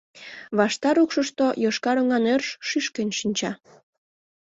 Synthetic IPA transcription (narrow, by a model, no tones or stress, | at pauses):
βɑʃt̪ɑɾukʃəʃt̪ojoʃkɑɾoŋɑnørʃʃyʃkenʃinʲt͡ɕɑ